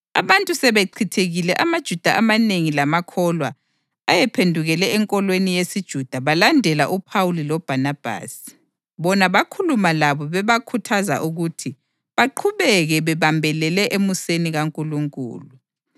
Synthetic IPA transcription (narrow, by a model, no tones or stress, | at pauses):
a̰βantʼusɛβeǃʰitʰeɣilɛʔamad̥ʒ̥ʱud̥ʱaʔamaneŋilamakʰɔlwaː | jɛpʰendʱuɣɛlɛːŋkʼɔlwenijesid̥ʒ̥ʱud̥ʱaβalandʱɛla̰ʔupʰawulilɔb̥ʱanab̥ʱa̰ːsi̥ | βɔnaβakʰulumalaβɔβɛβakʰutʰaza̰ʔuɣutʰi | βaǃʰuβɛɣɛβɛβambʱɛlɛlɛʔemuseniɣaŋkʼuluŋkʼṵːlu